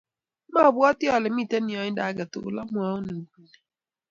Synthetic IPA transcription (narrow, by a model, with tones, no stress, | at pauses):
ma˦ɔ˨bʊ˦ɔ˦tɪ˦ɔ˨lɪ˨m̩˦i˦˨te˦nɪ˨ɔ˦ɲɪ˦da˦a˦ɡa˨tʊ̰˨la˦mʊ˦ɔ˦ʊ˦nu˨ku˨ne˨